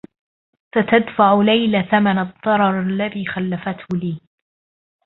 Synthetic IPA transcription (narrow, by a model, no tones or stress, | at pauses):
sat̪ad̪faʕʊlajlaθamanaðˤːɑɾˤɑɾˤalːaðiːxalːafat̪hʊliː